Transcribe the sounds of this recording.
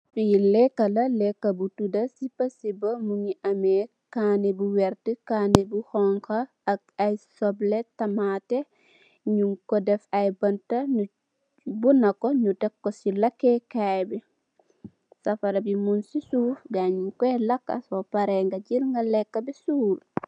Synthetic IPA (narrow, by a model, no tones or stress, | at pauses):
filɛkːɐlɐlɛkːɐbutudɐsipɐsibɐmuŋiʔɐme | kaːnebuwɛɾtikaːnebuhɔŋkɐː | kajsɔbletɐmate | ɲuŋkɔdɛfɐjbɐntɐɲu | bunːɐkoɲudɛkːosilɐkːekajbi | sɐfɐɾɐbimunsisuːfɡaːɲuŋkɛlɐkːɐ̰sopaɾeŋɡɐɟilŋɡɐlɛkːɐbisuːl